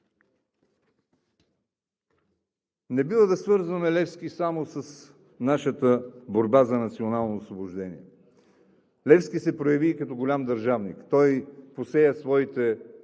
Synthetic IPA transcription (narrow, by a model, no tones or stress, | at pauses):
nɛbivəd̪ɐsvɤɾzvɐmɛlɛfskisamosəs | naʃət̪əboɾbazɐnɐt̪sionalˠnoːsvobʊʒd̪ɛnḭɛ | lɛfskisɛpɾojɐviːkɐt̪ɔɡolʲamd̪ɐɾʒavnḭkt̪ɔjposɛjəsvɔit̪ɛ